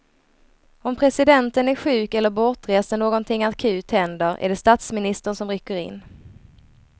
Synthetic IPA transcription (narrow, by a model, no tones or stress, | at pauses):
ɔmpʰɾɛsɪd̪ɛnt̪ənæɾɧʉ̟ːkɛlːəɾbɔʈ̪ɾeːsənoːɡɔnt̪ʰɪŋːakʰʉ̟ːt̪hɛnd̪əɾʔæ̰ɖɛst̪at̪smɪnɪst̪əɳsɔmɾʏkːəɾɪ̰nː